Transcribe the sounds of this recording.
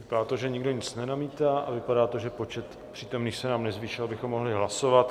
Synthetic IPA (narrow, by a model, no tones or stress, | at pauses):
vɪpadaːt̪oʒɛɲɪɡdo̞ɲɪt͡snɛnamiːt̪aːʔavɪpadaːt̪o̞ʒɛpo̞t͡ʃɛt̪ | pr̝̥iːt̪omniːxsɛnaːmnɛzviːʃɪlabɪxomːo̞ɦlɪɦlaso̞vat̪